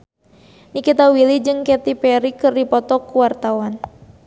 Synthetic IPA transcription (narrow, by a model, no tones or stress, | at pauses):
nikit̪awilid͡ʒɨŋkɛt̪ipɛɾikɨrdipɔt̪ɔkːuwart̪awan